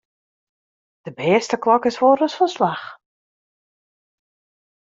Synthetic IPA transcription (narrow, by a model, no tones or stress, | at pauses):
d̥əbɛːstəklɔkɪsʋoːɾəsfəslax